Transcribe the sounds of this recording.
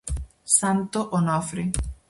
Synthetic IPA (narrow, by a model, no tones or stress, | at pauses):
sant̪oʔonɔfɾi